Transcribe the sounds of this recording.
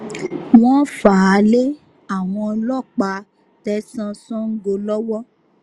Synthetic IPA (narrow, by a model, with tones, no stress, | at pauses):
w̃ɔ̃˦fa˨˦le˦ | a˦˨w̃ɔ̃˧lɔ˦˨k͡pa˧ | tɛ˧sã˧sɔ̃˦ŋ̩˦ɡo˧lɔ˦wɔ˦